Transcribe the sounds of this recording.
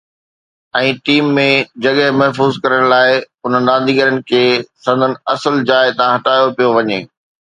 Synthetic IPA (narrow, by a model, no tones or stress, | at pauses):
ɛ̃ːʈiːmːẽd͡ʑɐɠəɦmɐɦfuːzkɐɾəɽ̃laːɪ | ʊn̤ənɪ̆ɗ̪ãːnd̪ʱiːɡəɾənɪ̆kʰeːsɐ̃nd̪ʱənɪ̆ɐsəld͡ʑaːɪt̪ɐãɦɐʈaːjopijoʋɐɲeː